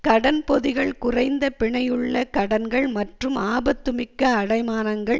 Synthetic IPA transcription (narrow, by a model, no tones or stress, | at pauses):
kɐɽɐnpɔðɪɣɐɭkʊrɐɪnd̪ɐpɪɳɐjɯɭːɐkɐɽɐnɡɐɭmɐʈrɯmaːbɐt̪ːɯmɪkːɐːɽɐɪmaːnɐŋɡɐɭ